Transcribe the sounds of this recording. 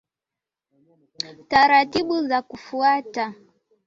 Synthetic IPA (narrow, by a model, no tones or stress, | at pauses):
taɾatiɓuzakufuata